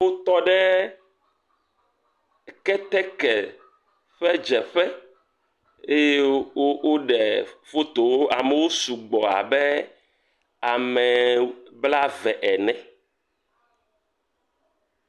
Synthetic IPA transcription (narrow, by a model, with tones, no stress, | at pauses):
wo˦t̪ɔ˦ɖɛ˦ | kɛ˦t̪ɛ˦kɛ˨ | ɸɛ˦d͡ʒɛ˨ɸɛ˦ | e˦je˦o˦wo˦ɖɛ˨fo˦t̪o˨woo˦ʔa̰˨me˨wo˦su˨ɡ͡bɔ˨a̰˨bɛ˦ | a˨mɛ˨bla˦vɛ˨ʔɛ˨nɛ̃˨